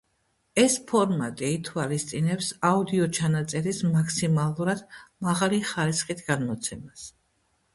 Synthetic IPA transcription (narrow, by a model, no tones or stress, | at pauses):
ɛspʰɔɾmat̪ʼiːt̪ʰwalist̪sʼinɛpsaud̪iɔt͡ʃʰanat̪sʼɛɾismakʰsimalˠuɾad̪̥maʁaliχaɾisχit̪ʰɡ̥anmɔt̪sʰɛmas